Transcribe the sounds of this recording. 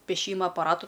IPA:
pʲeːˈʃʲiːmɐ ɐpɐˈrɑːtʊ

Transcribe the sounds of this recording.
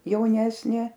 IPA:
jɛʊˈnʲæːsʲnʲeː

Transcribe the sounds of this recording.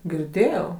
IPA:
ɡʲɪrʲˈdʲeːjɛʊ

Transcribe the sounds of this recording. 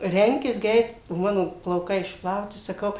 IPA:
ˈrʲɛŋʲkʲɪs ˈɡrʲɛɪt oː ˈmɑːnoː plˠɐʊˈkɐɪ ɪʃpˈlˠɐʊtʲɪ sɐˈkɐʊ

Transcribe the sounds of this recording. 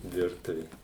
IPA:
ˈʋʲɪrtʊʋʲeː

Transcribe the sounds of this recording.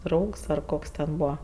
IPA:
ˈdrɐʊks ɐr ˈkoːks tʲɛn ˈbuːʋɐ

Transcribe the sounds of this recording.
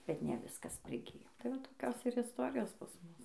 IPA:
ˈbʲɛt nʲɛ ˈʋʲɪskɐs pʲrʲɪˈɡʲɪjoː tɐɪ ˈʋɐ tɐɪ toːˈkʲoːs ɪr ɪsˈtoːrʲɪjoːs pɐs ˈmʊs

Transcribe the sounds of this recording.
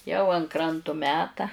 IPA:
jɛʊ ɐn ˈkrɐntʊ ˈmʲæːtɐ

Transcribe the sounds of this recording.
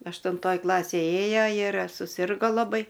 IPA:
ɐʃtʊnˈtoːj ˈklˠɑːsʲeːj ˈeːjoː ɪr sʊˈsʲɪrɡoː lˠɐˈbɐɪ

